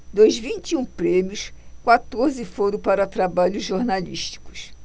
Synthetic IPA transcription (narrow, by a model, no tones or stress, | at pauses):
d̪ojzvĩnt͡ʃ̪iũpɾẽmiʊskwat̪oɾzɪfoɾʊ̃paɾɐt̪ɾabaʎʊzʒoɾnaliʃt͡ʃi̥kʊ̥s